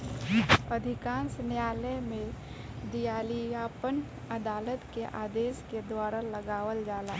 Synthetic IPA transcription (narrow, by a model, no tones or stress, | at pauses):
əd̪ʱɪkãːnsnjaːləmẽ | d̪ijaːliaːpən | əd̪aːlət̪keʔaːd̪eːsked̪waːɾaləɡaːʋəld͡ʒaːlaː